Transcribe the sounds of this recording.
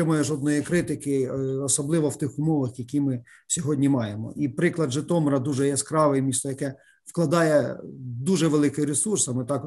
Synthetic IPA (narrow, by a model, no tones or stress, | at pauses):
ɛmɑjɛʒɔd̪nɔjikɾɪt̪ɪkɪɔsɔblˠɪʋɔwt̪ɪxʊmɔʋɐxjɐkʲimɪ | sʲɔɦɔdʲnʲimɑjemɔ̰ipɾɪklˠɐd̪ʒɪt̪ɔmɔɾɐd̪uʒɛjɛskɾɑʋɪjmʲist̪ɔjɐkɛ | wklˠɐd̪ɑjɛd̪uʒɛʋelˠɪkɪɾesursɐmɪt̪ɑk